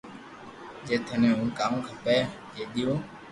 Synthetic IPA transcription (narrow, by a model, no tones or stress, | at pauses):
d͡ʒeːt̪ʰənẽːɦũːkaːmːkʰəpeː | d͡ʒeːɗ̪ɪjõː